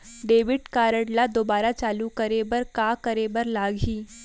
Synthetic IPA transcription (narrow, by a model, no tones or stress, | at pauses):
ɖeːʋɪʈkaːɾəɽlad̪obaːɾat͡ʃaːlukəɾebəɾkakəɾebəɾlaːɡʱiː